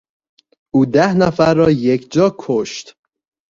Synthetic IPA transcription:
ʔuːd̪æhnæfæɾːɒːjekʰd͡ʒɒːkʰoʃt̪

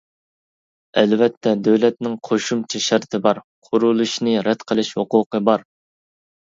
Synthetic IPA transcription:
ɛlvɛt̪ʰːɛd̪øwlɛt̪̚nɪŋqʰoʃumt͡ʃʰɛʃæɾt̪ʰɪbɑɾ | qʰʊɾulˠɨʃnɨɾɛd̪qʰəlˠɪʃhoqʊqʰəbɑɾ

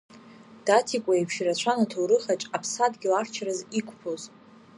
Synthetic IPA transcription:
d̥atʰikʷʼaipʰʃirat͡ɕʷʰanatʰowɾɨχat͡ʃʼapʰsadɡʲilart͡ʃʰɾɨzikʷʰʼpʰoz

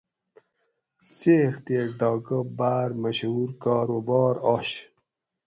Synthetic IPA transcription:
seːxt̪eɖɑːɡəbaːɾməɕhuːɾkɑːɾoːbɔːɾɔːɕ

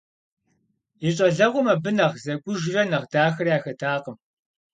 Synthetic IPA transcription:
iɕʼɐɮɐʁʷʊmɐbɨnɐʁzɐɡʷʼʊʒrɐnɐʁdaːxɐrjaːxɐtʰaːqəm

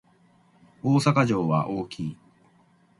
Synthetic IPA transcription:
o̞ːsakaʑo̞ːβa̰ʔo̞ːkʲʰiː

